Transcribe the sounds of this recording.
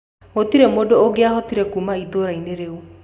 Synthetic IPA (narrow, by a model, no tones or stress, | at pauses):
hot̪iɾemɔdɔːɡeaɦɔt̪iɾekumaid̪oɾajneɾew